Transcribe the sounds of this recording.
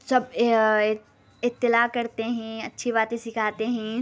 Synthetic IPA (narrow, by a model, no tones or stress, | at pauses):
sɐb | ɪt̪ːɪlaːkɐɾt̪eɦɛ̃ɐtːʃʰiβaːt̪ẽsɪkʰaːt̪eɦɛ̃ː